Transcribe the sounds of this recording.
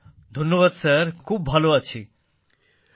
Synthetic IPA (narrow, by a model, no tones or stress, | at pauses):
d̪ʱonːoβad̪saɾkʰubːʱaloat͡ɕʰi